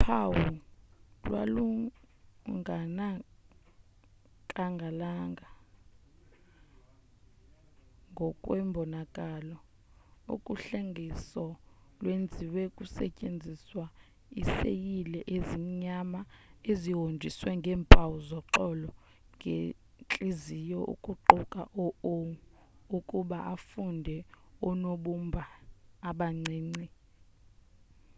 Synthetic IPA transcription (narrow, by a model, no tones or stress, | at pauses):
pʰawu | lwa̰lu | ŋʱana | kʼaŋɡʱalaŋɡʱa | ŋɡʱɔkʼwɛmbʱɔnakʼalɔ | o̰kʼuɬeŋɡʱisɔlwend͡zʱiwɛkʼusɛcʼend͡zʱiswa | isḛjilɛʔezimiɲamaeziɦond͡ʒʱiswɛŋɡʱɛːmpʰʼawuzɔǃɔlɔ | ŋɡʱe | t͡ɬʼizijɔʔṵkʼuǃɔkʼa̰ʔɔo | ukʼuɓaʔafundʱɛɔnoɓumbʱaːɓaŋ͡ǀiːŋ͡ǀi